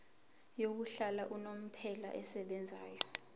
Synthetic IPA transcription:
jok̬uɬalaʔunom̩pʰɛlaʔɛsɛɓɛnd͡zʱaːjɔ

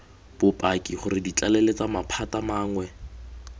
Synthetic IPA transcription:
b̥ʊpʼakʼiχʊɾɪdit͡ɬalɛlet͡samapʰatamaːŋwɛ

